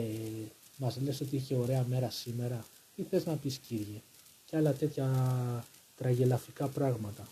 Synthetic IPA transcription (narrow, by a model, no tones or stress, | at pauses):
mɐzle̞so̞t̪̬iiçe̞o̞ɾe̞ɐme̞ɾɐsime̞ɾɐ | iθe̞znɐpisciɾʝe | ceɐlɐt̪e̞t̪çɐ | t̪ɾɐʝe̞lɐfikɐpɾɐɣmɐt̪ɐ